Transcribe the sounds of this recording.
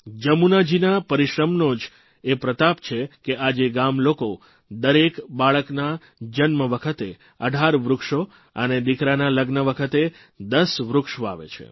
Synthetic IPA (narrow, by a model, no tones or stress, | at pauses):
d͡ʒəmunad͡ʒinapəɾiʃɾəmnod͡ʒ | epɾət̪apt͡ʃʰekeʔad͡ʒeɡamloko | d̪əɾekbaɭəkna | d͡ʒənməʋəkʰət̪e | əɖʱaɾʋɾʊkʃo | ə̰ned̪ikɾanaləɡnəʋəkʰət̪e | d̪əsʋɾukʃoa̰ʋḛt͡ʃʰḛ